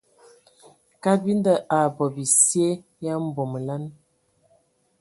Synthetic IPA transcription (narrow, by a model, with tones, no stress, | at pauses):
ka˦bi˦n˦də˦ʔa˨bɔ˨bi˨sje˦ | ja˦m̩˦˨bo˨m˨la˦n